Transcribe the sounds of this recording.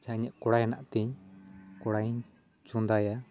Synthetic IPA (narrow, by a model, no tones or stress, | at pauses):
t͡ʃʰaɲɛʔkɔɽajanaʔt̪iɲkɔɽajɲ | t͡ʃund̪aja